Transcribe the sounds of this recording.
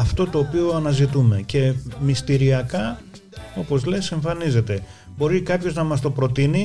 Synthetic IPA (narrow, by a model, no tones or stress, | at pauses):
ɐft̪o̞t̪o̞ːpio̞ɐnɐzit̪ume̞ce̞mist̪iɾiɐkɐ | o̞po̞zlese̞ɱfɐnize̞t̪e̞bo̞ɾikɐpço̞znɐmɐst̪o̞pɾo̞t̪ini